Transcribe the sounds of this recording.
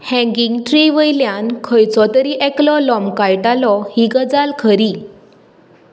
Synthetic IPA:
hɛ̃ŋɡiŋɡʈɾiʋəjljãnkʰəjt͡sɔt̪əɾiʔɛklɔlɔmkajʈalɔhiɡəd͡zalkʰəɾi

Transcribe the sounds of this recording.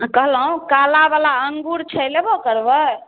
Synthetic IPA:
kəɦləũkalabalaəŋɡuɾt͡ʃʰəjlebokəɾbə

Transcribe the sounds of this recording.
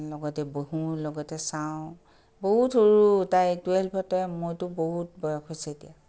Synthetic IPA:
lɔɡɔtɛboɦulɔɡɔtɛsaʊ̃ | boɦutʰoɹutajtwelpʰɔtɔmojtʊboɦut̚bɔjɔkɦojsɛetija

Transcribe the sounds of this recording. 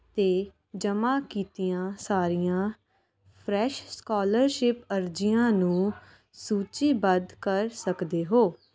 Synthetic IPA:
t̪eː | d͡ʒəmaːkiːt̪ijãːsaːɾijãː | pʰɾɛːʃskɔːləɾʃɪpəɾd͡ʒɪjãːnũː | suːt͡ʃiːbəd̪kəɾsəkd̪eːɦoː

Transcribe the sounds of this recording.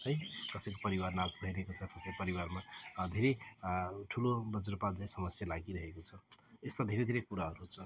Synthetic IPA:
ɦʌjt̪ʌsʌ̃j̃kopʌɾiwarnasbʱʌjɾʌɦekot͡sʰʌt̪ʌsʌ̃j̃pʌɾiwarmad̪ʱeɾe | ʈʰulobʌd͡zuɾpad͡zaj̃sʌmʌsjalaɡiɾʌɦekot͡sʰʌest̪ad̪ʱeɾed̪ʱeɾekuɾaɦʌɾut͡sʰʌ

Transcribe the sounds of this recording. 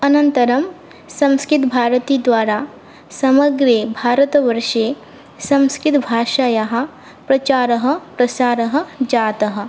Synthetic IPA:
ɐnɐ̃nt̪ɐɾɐm | sɐ̃mskɪt̪bʱaːɾət̪id̪ʋaːɾa | sɐmɐɡɾebʱaːɾət̪ʋɐɾʃe | sɐ̃mskɪt̪bʱaːʃajaɦɐ̆ | pɾɐt͡ʃaːɾɐɦɐ̆pɾɐsaːɾɐɦɐ̆d͡ʒaːt̪ɐɦɐ̆

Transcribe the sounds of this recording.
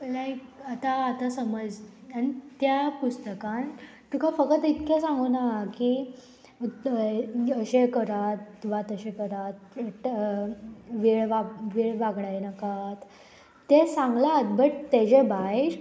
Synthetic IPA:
lajkat̪aːt̪asəməd͡zanit̪japust̪əkãn | ʈ̪ukʰafəkət̪it̪kesãŋɡunaɦaki | əɕekəɾat̪ːʋat̪əɕekəɾat̪̚ | ʋiɭʋaʋiɭʋaɡɽajenəkat̪ː | esãŋɡlat̪̚bəʈt̪ed͡ʑebajɾ

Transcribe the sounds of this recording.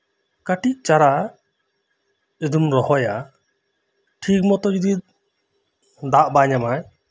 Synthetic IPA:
kaʈiʔ̚t͡ʃaɾa | id̪umɾɔhɔja | ʈʰik̚mɔt̪ɔd͡ʒud̪i | d̪aʔbaɲamaj

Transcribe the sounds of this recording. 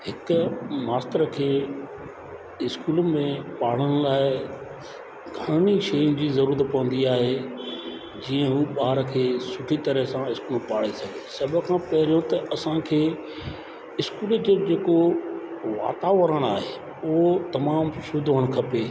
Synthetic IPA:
hɪkʊmaːst̪əɾəkʰeː | ɪskuːlmẽpaːɽ̤əɽ̃ʊlaːɪ | ɡʱɐɽ̃iʃɐjʊ̃d͡ʑiːzɐɾuːɾət̪̚pɐʋə̃n̆d̪iaːɦe | d͡ʑiːə̃ɦũːɓaːɦəɾkʰeːsʊʈʰit̪ɐɾəɦsãɪskuːlpaːɽesɐɡʱeːsɐbʱə̆kʰãpɐɦɪɾijõt̪ɐʔɐsãkʰeː | ɪskuːld͡ʑoːd͡ʑeːko | ʋa̰ːt̪aːʋəɾəɽ̃aːɦe | ʊɦot̪ɐmaːmʃʊd̪ʱəɽ̃kʰɐpeː

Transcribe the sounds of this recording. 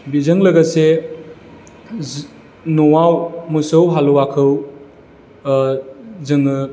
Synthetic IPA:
bizɐŋlɐɡase | nuwawmusɐwɦaluwakʰɯw | zɯŋɯ

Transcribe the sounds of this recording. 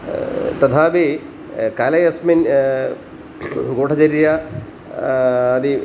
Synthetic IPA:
t̪ɐt̪ʰaːbe | kaːlɐjɐsmɐn | ɡoːʈʰɐd͡ʑɐɾja | ði

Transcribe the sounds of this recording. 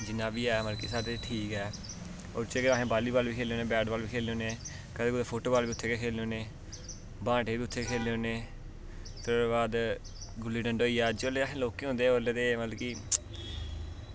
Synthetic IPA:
d͡ʒɪnaːbiːɛːmət̪lkiːsaːɾeʈʰiːkɛː | o̰ːɾt͡ʃeːɡəɾaːɦẽːbaːliːbaːlbiːkʰeːleõːnẽːbɛːɖbaːlʋiːkʰeːleːoːneː | kəd̪eːkʊd̪eːpʰoːʈoːbaːliːʊt̪ʰːeːkeːkʰeːleoːneː | bãːʈeːbiːʊt̪ʰːeːkʰeːleoːneː | t̪əbaːd̪ | ɡʊlːiːɖəɳɖoːiːɛːd͡ʒoːleːaːɦẽːloːkːeːõːnd̪eːoːɾleːd̪eːmələkiː

